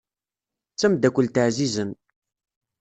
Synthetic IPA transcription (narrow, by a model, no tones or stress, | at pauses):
t͡sːæmd̪ækʷːəlt̪əʕzizən